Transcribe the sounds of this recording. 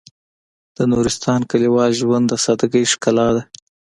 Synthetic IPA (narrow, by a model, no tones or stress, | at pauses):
d̪̥ənuɾɪst̪ɑnkaliwɑlʒwand̪asɑd̪aɡəjʂkalɑd̪a